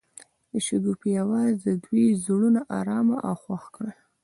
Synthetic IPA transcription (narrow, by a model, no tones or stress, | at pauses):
d̪əʃuɡ̪upijawɑzd̪əd̪wizɽunaʔɑ̰ɾɑma̰ʔawxwaxkɽə